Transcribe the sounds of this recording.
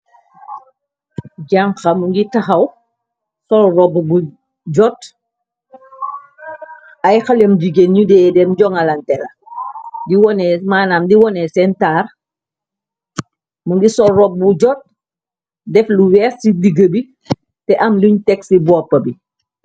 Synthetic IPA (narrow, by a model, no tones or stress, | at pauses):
ɟaŋxɐmuŋɡitɐxɐw | sɔlrɔbbu | ɟɔt | ɐjxɐlɛmdiɡenɲudɛːdɛmɟɔŋɐlɐntɛlɐ | diwɔnɛmaːnaːmdiwɔnɛsɛntaːr | muŋɡisɔlrɔb̚buɟɔt̚ | dɛfluwɛsidiɡəbi | tɛʔɐmluɲtɛksibɔːpːɐbi